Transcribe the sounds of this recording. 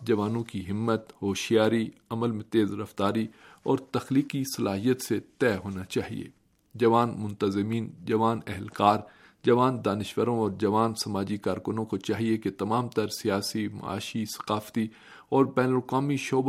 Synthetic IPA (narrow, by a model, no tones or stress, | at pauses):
d͡ʒɐʋaːnõkiɦɪmːət̪ɦoːʃijaːɾiɐməlmẽt̪eːzɾɐft̪aːɾiɔːɾt̪ɐxliːkisɐlaːɦijət̪set̪ɛːɦoːnat͡ʃaːɦḭḛː | d͡ʒɐʋaːnmʊ̃nt̪əzɪmiːnd͡ʒɐʋaːnɛɦɛlkaːɾ | d͡ʒɐʋaːnd̪aːnɪʃʋəɾõɔːɾd͡ʒɐʋaːnsɐmaːd͡ʒikaːɾkʊnõkot͡ʃaːɦieket̪ɐmaːmt̪ɐɾsijaːsimɐ̰a̰ːʃisɐ̥qaːft̪i | ɔːɾbɛːnəlkaːmiʃoːb